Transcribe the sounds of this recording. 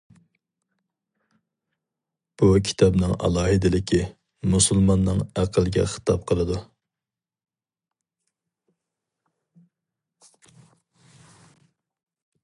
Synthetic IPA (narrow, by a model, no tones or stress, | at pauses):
b̥ukʲʰi̥t̪ʰɑbnɨŋɑ̰lˠɑːɦɨd̪ɪlɪkʲʰi | musulˠmɑnːɨŋæqʰəlˠɡʲɛ̰χə̥t̪ʰɑp̚qʰəlˠɨd̪u